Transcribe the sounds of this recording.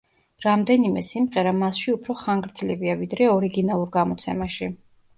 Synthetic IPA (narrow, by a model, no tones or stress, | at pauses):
ɾamd̪ɛnimɛsimʁɛɾamasʃiupʰɾɔχaŋɡɾd̪zliviavid̪ɾɛɔɾiɡinalˠuɾɡamɔt̪sʰɛmaʃi